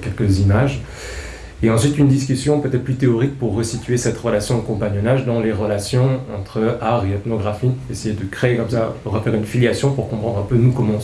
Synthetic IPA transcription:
kʲɛlkəzimaʒ | eɑ̃sɥit̪ynd̪iskʲysjɔ̃pøt̪ɛt̪χ̚plyt̪eɔʁikpuʁːəsit̪ʰɥesɛt̪ʁəlasjɔ̃okɔ̃paɲɔnaʒd̪ɑ̃leʁəlasjɔ̃ɑ̃t̪χəaʁeɛt̪nɔɡʁafiesejed̪əkχeekɔmsaʁəfɛʁynfiljasjɔ̃puʁkɔ̃pχɑ̃d̪ʁɛ̃pønukɔmɑ̃

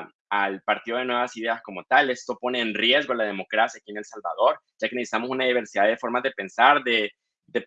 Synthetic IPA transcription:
alpaɾt̪iðo̞ð̞enwe̞βasiðe̞asko̞mo̞t̪ale̞st̪o̞po̞ne̞ːnrje̞zɣo̞lað̞e̞mo̞kɾasjakiene̞lsalβa̰ð̞o̞ɾɟ͡ʝ̥ake̞nesi̥t̪amo̞s̬unaðiβ̞e̞ɾsiðaðe̞fo̞ɾmazðe̞pe̞nsaɾðe̞ | d̪e̞

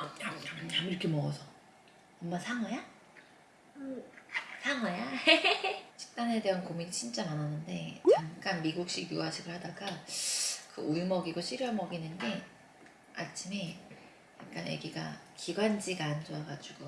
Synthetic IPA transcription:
aamuiɾʌkʰemʌɡʌsʰʌ | ʌmmasʰaŋaja | ɯ | sʰaŋaja | t͡ɕʰi̥k̚t͈ane̞de̞ɦankominit͡ɕʰint͡ɕ͈amananːɯnde̞aŋk͈anmiɡuk̚ɕ͈iɡjuaɕʰiɡɯɭhadaɡa | kɯ̰ʔuɭmʌɡiɡoɕʰiɾjʌmʌɡinɯnɡe̞ | a̰t͡ɕʰime̞ | ja̰k̚k͈anje̞̰ɡiɡa̰kiɡwand͡ʑiɡand͡ʑoaɡad͡ʑuɡ̥o

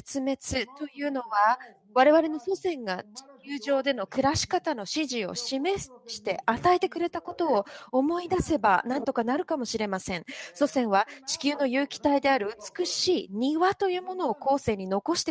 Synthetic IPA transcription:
et͡sɨme̞t͡sɨt̪o̞jɯ̟ːno̞βa | βaɾe̞βaɾe̞no̞so̞sẽ̞ŋɡat͡ɕi̥kʲɨːʑo̞ːd̪e̞no̞kɯ̟ɾaɕi̥kat̪ano̞ɕiʑio̞̰ɕime̞ɕi̥t̪e̞at̪ae̞t̪e̞kɯ̟ɾe̞t̪ako̞t̪o̞ːomo̞id̪ase̞ba̰nãnt̪o̞kanaɾɯ̟kamo̞ɕiɾe̞masẽ̞ɴ̃so̞sẽ̞ɰ̃βat͡ɕi̥kʲɨːno̞jɯ̟ːkʲi̥t̪aid̪e̞aɾɯ̟ɯt͡sɨ̥kɯ̟ɕiːɲ̟iβat̪o̞jɯ̟ːmo̞no̞ːko̞ːse̞ːɲ̟ino̞ko̞ɕi̥t̪e

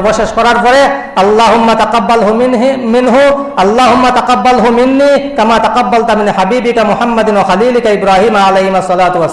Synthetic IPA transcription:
boʃeʃkɔɾaɾpɔɾe | ɐlːɑːɦʊmːat̪ɐqɑbːɐlɦmɪnɦu | ɐlːaːɦʊmːat̪ɐqɑbːɐlɦʊmɪnːiːkɐmaːt̪ɐqabːɐlt̪amɪnħabiːbikamʊħamːɐd̪ɪnwaxɐliːlikaɪbɾaːɦiːmaalejhimɐsːɔlaːt̪uwɐs

